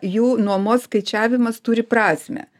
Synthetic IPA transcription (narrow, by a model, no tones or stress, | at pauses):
juːnuɔmoːsskɐɪt͡ʃʲæːʋʲɪmɐst̪ʊɾʲɪpɾɑːsʲmʲɛ̰